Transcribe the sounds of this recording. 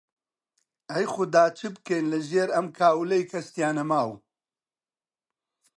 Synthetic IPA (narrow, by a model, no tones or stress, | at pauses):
ɐjxʊd̪aːt͡ʃʰɨbkejnlɨʒeːɾɐmkʰaːwlejkʰɐst̪jaːnɐmaːw